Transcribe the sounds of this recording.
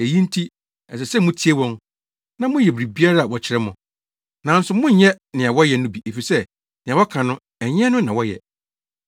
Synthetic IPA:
e˨jĩ˦n̩˦tʰi˦ | ɛ˨s̬ɛ˨sɛ˦mʊ̃˦tʰi˦e˦wɔ̃˦n | nã˦mʊ̃˦jɛ˨bɾi˨bi˦a˦ɾa˦a˨wɔ˨t͡ɕʰɪ˨˦ɾɛ˦mʊ̃˨ | nã˨˦n̩˦sʊ˨mʊ̃˦ɲ˦ɲɛ˦ | nɪ̃˨a˨wɔ˦jɛ˨nʊ̃˦bi˨ʔe˨fi˨sɛ˦ | nɪ̃˨a˨wɔ˦kʰã˨nʊ̃˦ | ɛ˨ɲ˦ɛ̃˦nʊ̃˦nã˨wɔ˦jɛ̰˨

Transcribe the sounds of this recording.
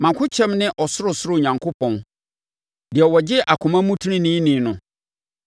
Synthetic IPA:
mã˨kʰʊ˦t͡ɕʰɛ̃˦mnɪ̃˦ʔɔ˨sʊ˦ɾʊ˨sʊ˦ɾʊ˦˨ɲã˨ŋkʰo˦pʰɔ̃˨n | dɪ˨ɛ˨wɔ˨d͡ʑɪ˦ʔa˨kʰʊ̃˨mã˦mũ˦tʰu˦nĩ˦nĩ˦nĩ˨˦nʊ̃˨

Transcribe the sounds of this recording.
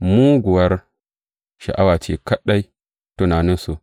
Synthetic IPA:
mu˦ɡu˨wa˦ɾ | ʃa̰˨ʔa̰˦wa˨t͡ʃḭ˨ka˦ɗa˦i˦ | tu˦na˨ni˦so˨

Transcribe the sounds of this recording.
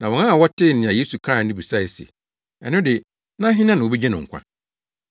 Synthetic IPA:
nã˨wɔ̃˨nã˦a˨wɔ˦tʰɪ˦˨nɪ̃˨ã˨jeː˦su˨kʰɾa˦˨nɪ̃˦bu˨sa˦˨i˨sḛ˨ | ɛ˨nʊ̃˦dɪ˨ | nã˦ɦɪ̃˦nã˦nɪ̃˨wo˨be˦d͡ʑɛ̃˦nʊ̃˨ŋ̩˨kʷʰã̰˦

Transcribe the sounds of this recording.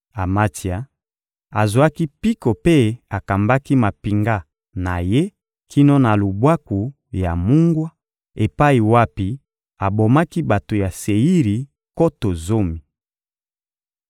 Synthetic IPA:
a˨ma˦ti˨a˨ | a˨zwa˦ki˦pi˦ko˨pe˦a˨ka˨mba˦ki˦ma˨pi˨ŋɡa˦ | na̰˨je˦ | kʰi˦no˦na˨lo˨bwa˦ku˨ | ja˨mu˦ŋɡwa˦ | e˨pa˦i˨wa˦pi˦ | a˨bo˨ma˦ki˦ba˨to˨ja˨se˨i˦ʁi˨ | ko˦to˨zo˦mi˨

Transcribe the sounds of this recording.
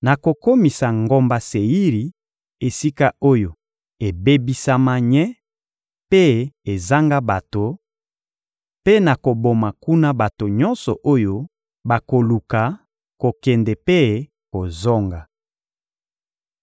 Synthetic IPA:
na˨ko˨ko˦mi˨sa˨ŋɡo˦mba˨se˨ji˦ʁi˨ | e˨si˦ka˦o˦jo˨ | e˨be˦bi˦sa˦ma˦ɲɛ˦ | pe˦e˨za˦ŋɡa˦ba˨to˨ | pe˦na˨ko˨bo˨ma˨ku˦na˦ba˨to˨ɲɔ˦nsɔ˨ʔo˦jo˦ | ba˨ko˨lu˨ka˨ | ko˨kɛ˨ndɛ˨pe˦ | ko˨zɔ˦ŋɡa˨

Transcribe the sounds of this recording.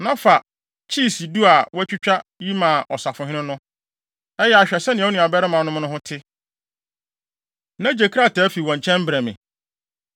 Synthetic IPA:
nã˦fa˨ | t͡ɕʰiː˦˨si˨du˦a˨wæ˦t͡ɕᶣu˦t͡ɕᶣa˦ji˦mã˨ʔɔ˨sa˨fʊ̃˨ɦɪ̃˦nɪ̃˦nʊ̃˦ | ɛ˦jɛ˦˨a˨ɕᶣɛ˨sɛ˦nɪ̃˨˦u˦nĩ˨a˨bɛ˦ɾɪ˦mã˨nʊ̃˦m˦nʊ̃˦ɦʊ̃˦tʰɪ˦ | nã˦d͡ʑe˨kʰi˦ɾa˦˨tʰɛ˨˦fi˨wɔ̃˨ɲ˨t͡ɕʰɛ̃˦m˦bɾɛ˨mɪ̰̃˨

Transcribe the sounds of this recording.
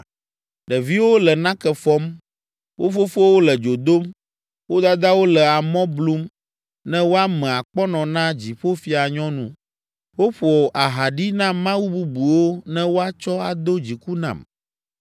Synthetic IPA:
ɖɛ˨vi˦wo˦lɛ˨nã˦kɛ˨fɔ˦m | wʔo˦fo˦fo˦wo˦lɛ˨d͡ʒo˨d̪o˦m | wo˦d̪a˦d̪a˦wo˦lɛ˨a˨mɔ̃˦blu˦m | nɛ̃˦wo˦a˦mɛ̃˨a˨k͡pɔ˦nɔ̃˨nã˦d͡ʑi˨ɸo˦fi˦a˨ɲɔ̃˦nũ˦ | wo˦ɸu˨ɔ˨ʔa˨ɦa˨ɖi˦nã˦mã˦wu˦bu˦bu˨wo˦nɛ̃˦wo˦a˦t͡ʃɔ˦a˨d̪o˦d͡ʑi˨ku˦nã̰˨m

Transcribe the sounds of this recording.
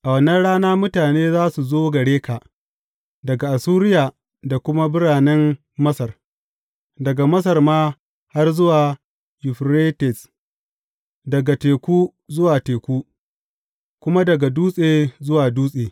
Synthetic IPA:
ʔa˨wɐ˨nɐ˦nɽaː˦naː˦mʊ˦taː˨neː˦zaː˦su˨zoː˦ɡɐ˨ɽeː˦kaː˨ | dɐ˨ɡa˨ʔa˨suː˦ɾɪ˦jaː˨ | da˨kʷʊ˦ma˦bʊ˦ɽaː˨nɛ˦mː | ɐ˦sɐ˨r | dɐ˨ɡa˨mɐ˦s̬ɐ˨rmaː˦ | ha˦rzʊ˦waː˨ | jʊ˨ɸɾeː˦tɛ˨s | dɐ˨ɡa˨teː˨kʷuː˦ | zʊ˦waː˨teː˨kʷuː˦ | kʷʊ˦ma˦dɐ˨ɡa˨duː˦sʼeː˨zʊ˦waː˨duː˦sʼeː˨

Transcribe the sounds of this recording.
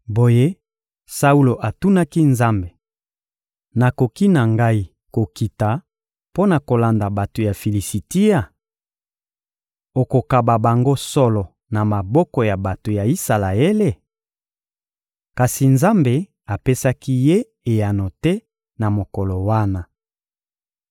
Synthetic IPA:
bo˨je˦ | sa˦u˦lo˨ʔa˨tu˦na˦ki˦nza˦mbe˨ | na˨ko˨ki˦na˨ŋɡa˦i˦ | ko˨ki˨ta˨ | po˦na˨ko˨la˨nda˨ba˨to˨ja˨fi˨li˨si˨ti˦ja˦ | o˨ko˨ka˨ba˨ba˨ŋɡo˦sɔ˦lɔ˨ | na˨ma˨bɔ˦kɔ˨ja˨ba˨to˨ja˨i˦sa˨la˨e˦le˦ | ka˨si˨nza˦mbe˨ | a˨pe˦sa˦ki˦je˦ | e˨ja˨no˨tɛ˦ | na˨mo˨kɔ˨lɔ˨wa˦na˨

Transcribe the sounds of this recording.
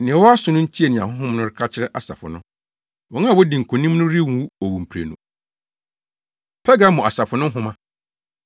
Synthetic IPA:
nɪ̃˨ɛ˨wɔ˦a˦sʊ˨nʊ̃˦n̩˦tʰi˦e˨nɪ̃˨ã˨hʊ̃˦ɦʊ̃˦mnʊ̃˦ɾɪ˦kʰa˦t͡ɕʰɪ˦ɾɛ˦ʔa˨sa̰˨fʊ̰˨nʊ̰̃˦ | wɔ̃˨˦ŋ˦ã˦˨wɔ˦dĩ˨ŋ̩˨kʰo˨nĩ˦mnʊ̃˦ɾɪ˦wũ˨˦wu˦o˨wũ˨m̩˨pʰɾḛ˨nṵ̃˨ | pʰɛ˦ɡa˦mɔ̃˨a˨sa˨fʊ˨nʊ̃˦ɦʊ̃˦mã˦

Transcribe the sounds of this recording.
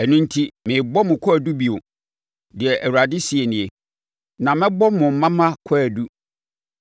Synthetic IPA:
ɛ˨nũ˦n˦tʰi˦mɪ̃˨bɔ˦mʊ̃˨kʰʷɔ˦æ˨du˦bi˨o˨ | dɪ˨ɛ˨ʔæ˨wu˨ɾa˨dɪ˦si˨e˨nɪ̃˨ɛ˨ | nã˨mɪ̃˦bɔ˦mʊ̃˨m̩˨mã˦mã˦kʰɔ˦æ˨du˦

